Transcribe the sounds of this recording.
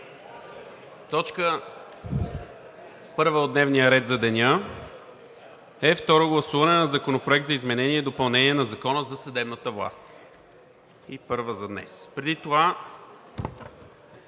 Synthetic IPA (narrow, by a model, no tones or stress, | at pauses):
t̪ɔt͡ʃkə | pɤɾvəod̪nɛvnijəɾɛt̪zɐd̪ɛnʲə | ɛft̪ɔɾoɡlˠɐsuvɐnɛnɐzɐkonopɾoʊɛk̚t̪zɐizmɛnɛniɛd̪opɐlˠnɛniɛnɐzɐkɔnəzɐsɐd̪ɛbnət̪əvlˠa̰st̪ | ipɤɾvəzɐd̪nɛ̰spɾɛd̪it̪ova